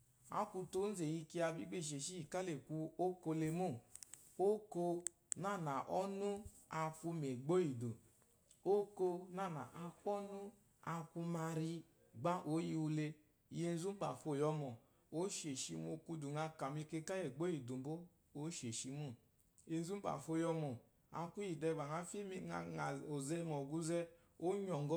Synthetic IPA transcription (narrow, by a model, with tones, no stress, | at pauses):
a̰˦ku˧to˦n̩˦ze˨ji˧ki˧a˧bi˦ɡ͡be˦˨ʃ̬e˨ʃi˦i˨ka˦le˨ku˧o˦ko˧le˧mo˦˨ | o˦ko˧ | na˦˨na˨ʔɔ˦nu˦ | a˧fu˧me˨ɡ͡bo˦ji˨do˨ | o˦ko˧na˦˨na̰˨ʔa˧ku˦ɔ˦nu˦ | a˧kʷu˧ma˧ɾi˧ | ɡ͡ba˦ʔo˨˦ji˧u˧le˧ | i˨je˦˧n˦zu˦ɡ͡ba˨fo˨jɔ˧mɔ˨ | o˦ʃe˨ʃi˧mo˧ku˧du˨ŋa˧ka˨mi˧ke˧ka˦je˨ɡ͡bo˦i˨du˨m˨bo˦ | o˦ʃe˨ʃi˧mu˦˨ | e˧n˦zu˦ba̰˨fo˧˦˨jɔ˧mɔ˨ | a̰˨kʷu˦ji˨dɛ˧˨ɡ͡ba˨ŋa˧fi˦mi˦a˨a˨o˨zɛ˦ŋɔ˨ɡu˦zɛ˦ | o˦ɲɔ˨ŋɡɔ˦